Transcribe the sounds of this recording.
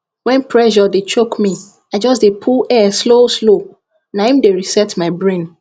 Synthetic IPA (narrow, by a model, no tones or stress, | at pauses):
wɛ̃npʰɹɛʒɔdet͡ʃokmi | ad͡ʒɔs̬depʰulɛsloslo | nahĩmdeɹisɛtmaɪbɹẽn